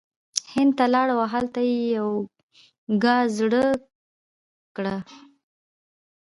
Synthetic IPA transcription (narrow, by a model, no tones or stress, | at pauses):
hɪnd̪̚t̪alɑɽawaɦalt̪ajejaw | ɡɑzɽə | kɽa